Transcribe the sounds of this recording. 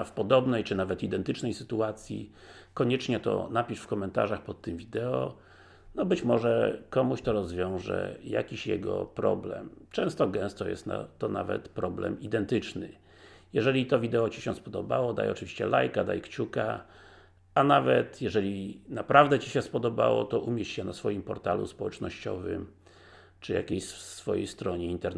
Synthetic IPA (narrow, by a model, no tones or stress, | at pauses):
fpɔd̪ɔbnɛjt͡ʂɘnavɛt̪id̪ɛnt̪ɘt͡ʂnɛjsɘt̪uat̪sʲjḭkɔɲɛt͡ʂɲɛt̪ɔ̰napʲiʂfkɔmɛnt̪a̰ʐaxpɔt̪ːɘmvʲid̪ɛɔ̰ | nɔbɘt͡ɕmɔʐɛkɔmuɕt̪ɔɾɔzvʲjɔ̃w̃ʐɛ̰ja̰kʲiɕjɛ̰ɡɔ̰pɾɔ̰blɛ̰mt͡ʂɛ̃w̃st̪ɔɡɛ̃w̃st̪ɔjɛ̰st̪na̰t̪ːɔna̰vɛ̰t̪pɾɔblɛ̰mid̪ɛnt̪ɘt͡ʂnɘ | jɛʐɛlʲit̪ɔvʲid̪ɛɔt͡ɕiɕɛ̃spɔd̪ɔbawɔd̪a̰jɔt͡ʂɘvʲiɕt͡ɕɛlajkad̪ajkt͡ɕuka | anavɛt̪jɛʐɛlʲinapɾʔavd̪ɛt͡ɕiɕɛspɔd̪ɔba̰wɔ̰t̪ɔʔumʲjet͡ɕɕɛnasfɔjimpɔɾt̪alṵspɔwɛt͡ʂnɔɕt͡ɕɔ̰vɘ̰m | t͡ʂɘjakʲejɕfsfɔjejst̪ɾɔɲɛint̪ɛɾ